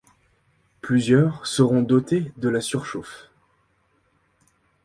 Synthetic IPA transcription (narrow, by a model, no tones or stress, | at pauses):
plyzjœʁsəʁɔ̃d̪ɔt̪ed̪əlasyʁʃof